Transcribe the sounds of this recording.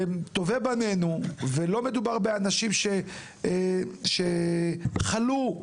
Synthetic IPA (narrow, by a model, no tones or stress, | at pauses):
t̪ovebane̞nuvelo̞me̞d̪ubaʁbeanaʃimʃe | ʃe | χalu